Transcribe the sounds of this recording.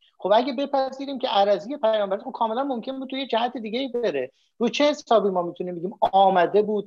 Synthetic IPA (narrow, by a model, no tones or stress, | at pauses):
xo̞bæɟʲebe̞pʰæziːɾiːmcʰʲe̞ʔæɾæziːje̞pʰæjɒːmbæɾæt̪ob̚kʰɒːme̞lænmo̞mcʰe̞mbud̪̚t̪ʰːujed͡ʒæɦæt̪ʰed̪iːɟeiːbeɾe | ɾuːt͡ʃʰe̞he̞sɒːbiːmɒːmit̪ʰuniːmbe̞ɟʲiːmɒːmæd̪e̞buːd̪̚